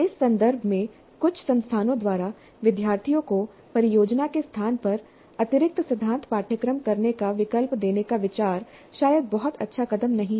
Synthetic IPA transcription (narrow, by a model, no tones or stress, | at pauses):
ɪsːɐ̃nd̪əɾbʱmẽ | kʊt͡ʃʰsɐ̃nst̪ʰaːnõd̪waːɾa | ʋɪd̪jaːɾt̪ʰijõko | pɐɾɪjoːd͡ʒnakest̪ʰaːnpɐɾ | ɐt̪ɪɾɪk̚t̪sɪd̪ʱːãːnt̪paːʈʰjəkɾəmkɐɾnekaʋɪkəlpd̪eːnekaʋɪt͡ʃaːɾ | ʃaːjəd̪̚bɐɦɔt̪ɐ̰tːʃʰakɐd̪əmnɐɦĩ